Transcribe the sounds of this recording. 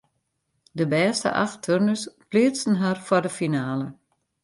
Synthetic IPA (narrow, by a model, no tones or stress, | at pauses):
dəbɛːstə̰ʔa̰xtʰørnəsplɪət͡sn̩ɦarfɔdəfinaːlə